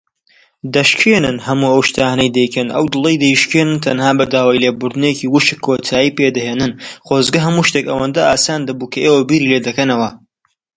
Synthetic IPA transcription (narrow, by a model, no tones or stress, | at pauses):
d̪ɐʃkʰeːnɨnhɐmuːɐwʃt̪ʰaːnɐjd̪ɐjkʰɐnʔɐ̰wd̪ɨlˠɐjd̪ɐjiʃkeːnɨnt̪ʰɐnhaːbɐd̪aːwaːjlebʊɾd̪ɨneciwʊʃɨkʰːoːt̪ʰaːjiːped̪ɐheːnɨnχoːzɡɐɦɐmuːʃt̪ekɐ̰wɐnd̪ɐʔaːsaːnd̪ɐbuːkʰɐʔeːwɐbiːɾiːled̪ɐkɐnɐwɐ